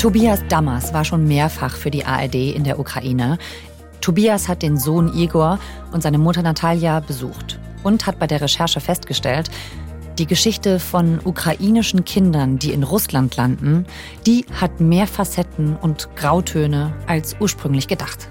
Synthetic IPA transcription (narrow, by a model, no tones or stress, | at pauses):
tʰobiːasd̥amasv̥aːɐʃoːnmeːɐfaχfyːɐdiːʔa̰ːʔɛɐdeːʔɪ̰ndeːɐʔukʁ̥a̰ʔiːnə | tʰːobiːashat̚d̥eːnzoːnʔiːɡoːɐ | ʔʊntz̥aɪnəmʊtɐnatʰaljabəzṵːxt | ʔʊnthat̚b̥aɪdeːɐʁeʃɛɐʃəfɛstɡ̥əʃtɛlt | d̥iːɡəʃɪçtəfɔnʔukʁ̥aʔiːnɪʃn̩kʰɪndɐndiːɪnʁʊslantʰlandn̩ | d̥iːhatmeːɐfasɛtn̩ʊntɡ̥ʁaʊtʰøːnəʔalsʔuːɐʃpʁ̥ʏŋlɪçɡ̥ədaχt